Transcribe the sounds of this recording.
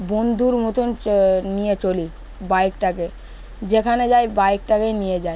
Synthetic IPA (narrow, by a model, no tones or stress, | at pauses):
bond̪ʱuɾmot̪unnijet͡ɕoli | baekʈake | d͡ʑekʰaned͡ʑajbaek̚ʈakejnijed͡ʑae